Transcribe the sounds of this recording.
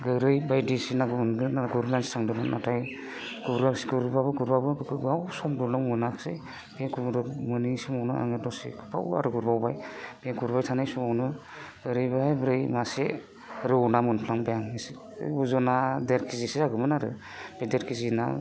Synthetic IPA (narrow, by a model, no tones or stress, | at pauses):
ɡɯɾɯjbajdisinaɡɯmɯnɡɯnaɡuɾlanstʰaŋdɯmɯnnataj | ɡuɾasɡɯɾbabɯɡuɾbabɯɡɯɡawsɔmdɔnɔwmɯnakʰsɯj | b̥eɡumɾɯmɯnisimɔwnɯa̰ŋɯdɔsḭɡupʰa̰wa̰ɾɯɡuɾbawbajb̥eɡuɾbajtʰanajsɔmawnɯ | ɡ̥ɯɾɯjbabɾɯjmase | ɾɯwnamɯnpʰlaŋbajaŋisi | buzɔnadeɾkʰizisiaɡɯmɯnaɾɯ̰ | b̥edeɾkʰizina̰